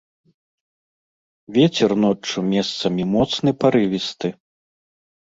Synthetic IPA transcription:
vʲɛt͡sʲɛrnɔt͡ʂumʲɛst̪sɐmʲimɔt̪snɨpaɾɨvʲist̪ɨ

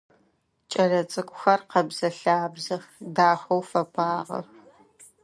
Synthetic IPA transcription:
t͡ʃʼɐrɐt͡sʼɨkʷʼʊxɐrqɐbzɐɬaːbzɐxdaːxʷɐwfɐpʰʼaːʁɐ̰x

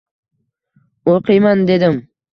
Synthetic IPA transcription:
oqɨjmand̪e̞d̪ɪm

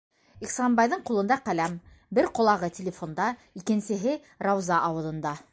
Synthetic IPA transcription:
iχsɑnbɑjðɤɴqulˠɤ̆nd̪ɑqælæm | bɘɾqŏlˠɑʁɤt̪ʲɪlʲɪfo̞nd̪ɑikɘ̆nsɘ̆ɦɘ | ɾɑwzɑʔɑwɤ̆ðˠɤ̆nd̪ɑ

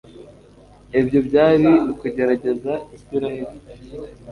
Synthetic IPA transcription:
ebjo̞bɟaːɾiikuɟe̞ɾaɟe̞zaisiɾaheɾi

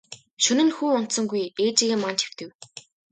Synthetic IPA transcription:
ʃɵnɘ̆nxuːɔn̥t̪sɞ̆ŋɡujeːt͡ɕiːɣeːmant͡ɕe̥w̥t̪ɘ̆w

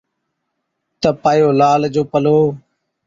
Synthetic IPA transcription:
t̪əpaːjoːlaːld͡ʒoːpəloː

